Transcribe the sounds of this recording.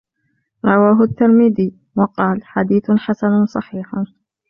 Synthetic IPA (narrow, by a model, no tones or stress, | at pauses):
ɾˤɑwaːɦʊʔt̪ːɪɾmɪd̪iː | wɑqɑːlħad̪iːθħasansˤɑħiːħ